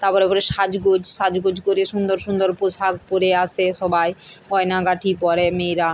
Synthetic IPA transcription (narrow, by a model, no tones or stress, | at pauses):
t̪aɾpɔɾepɔɾeʃad͡ʑɡod͡ʑʃad͡ʑɡod͡ʑʱkoɾeʃund̪oɾʃund̪oɾposʰaɡ̚poɾeasʰeʃɔbajkɔjnaɡaʈʰipɔɾemejɾa